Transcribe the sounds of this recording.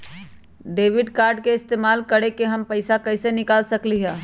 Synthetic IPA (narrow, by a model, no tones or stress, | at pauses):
ɖeːʋɪɖkaɾɖkeɪst̪eːmalkəɽekeɦəmpəɪsakəɪsenɪkalsəkliɦɛ̃ː